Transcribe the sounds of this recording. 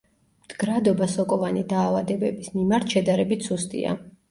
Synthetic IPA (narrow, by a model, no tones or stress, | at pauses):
md̪̥ɡɾad̪ɔbasɔkʼɔvanid̪aːvad̪ɛbɛbismimaɾt̪ʰʃɛd̪aɾɛbit̪ʰsust̪ʼḭa̰